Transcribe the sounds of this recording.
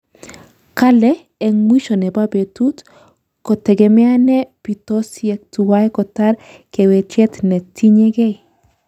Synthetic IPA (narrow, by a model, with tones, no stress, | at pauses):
ka˦lɛ | ɛ˨ŋwi˦ʃɔ˨nɛ˨ba˦be˨tut | kɔ˨tɛ˨ɡɛ˨mɛ˦a˦nɛ˦pi˨tɔ˦siɛ˦k̚tuwa˦jkɔ˨ta˦ɾ | kɛ˨wɛ˨t͡ʃɛ˦tnɛ˨tʰi˦ɲe˦ɡɛ˦j